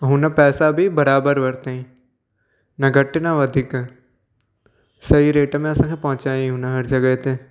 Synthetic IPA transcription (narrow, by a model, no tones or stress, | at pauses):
ɦʊ̃nəpɛːsabʱibɐɾaːbəɾʋɐɾt̪eĩ | nɐɡɐʈɪnãʋɐd̪ʱik | sɐɦiɾeːʈmẽɐsãkʰepɐɦʊ̃t͡ɕaːiɦʊnəɦɐɾd͡ʒɐɡəet̪e